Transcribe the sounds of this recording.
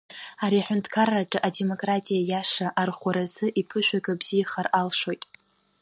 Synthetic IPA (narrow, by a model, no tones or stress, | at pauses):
aɾiaħʷᶣʊntʰkʰarːaʈ͡ʂʼɨʔade̞mo̞kʼratʼijajaʂaʔarχʷaɾazɨʔipʰɨʃʷᶣaɡabz̥ijaχaralʂo̞jtʼ